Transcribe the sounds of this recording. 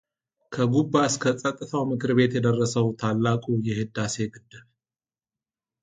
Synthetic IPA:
kʰəɡubːaskʰəsʼət̪ʼːɨt̪ʰawmɨkʰɨɾbe̞t̪jɛd̪ərːəsəwt̪ʰalːakʼujɛhɨd̪ːase̞ɡɨd̪ːɨβ

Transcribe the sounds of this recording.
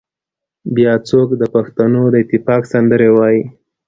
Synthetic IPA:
bjɑt͡sokd̪əpaxt̪anod̪əɪt̪ɪfɑksand̪əɾewɑji

